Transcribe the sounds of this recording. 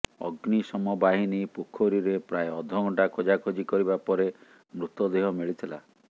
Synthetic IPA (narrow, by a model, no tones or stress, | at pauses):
ɔ̰ɡnisɔmɔbaɦinipukʰoɾiɾepɾaeɔd̪ʱɔŋɔʈakʰod͡ʒakʰod͡ʒikɔɾibapɔɾe | mɾut̪ɔd̪eɦɔmiɭit̪ʰila̰